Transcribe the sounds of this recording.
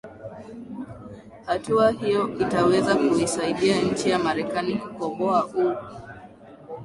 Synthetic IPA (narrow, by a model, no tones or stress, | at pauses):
hatuaɦijɔitawɛzakuisaiɗiaɲ̩t͡ʃijamaɾɛkanikukɔɡɔaʔu